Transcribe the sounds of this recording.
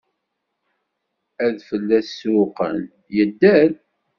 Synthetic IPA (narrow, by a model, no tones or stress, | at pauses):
æðfəlːæsʊqə̰n | jəd̪ːæl